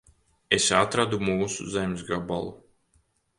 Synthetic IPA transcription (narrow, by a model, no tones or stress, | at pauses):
esat̪ɾad̪umuːsṵzemʲsɡaba̰lˠu